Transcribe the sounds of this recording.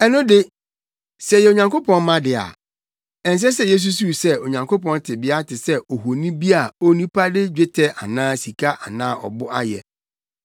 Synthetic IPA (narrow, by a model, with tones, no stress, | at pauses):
ɛ˦nʊ̃˦dɪ˦ | sɛ˨jɛ˨o˨ɲã˨ŋko˦pʰɔ̃˦nmã˦dɪ˨a̰˨ | ɛ̃˨n˨s̬ɛ˦s̬ɛ˦jɛ˦s̬u˦s̬u˦˨sɛ˦o˨ɲã˨ŋkʰo˦pɔ̃˦n˦tʰɪ˨bɪ˦a˦tʰɪ˨sɛ˦o˨ɦo˨nĩ˦bi˦a˨o˦nĩ˦pʰa˦dɪ˦d͡ʑᶣe˦tʰɛ˦ʔa̰˨nãː˦si˨kʰa˦ʔa˨nãː˦ʔɔ̰˨bʊ˦ʔa˦jɛ˨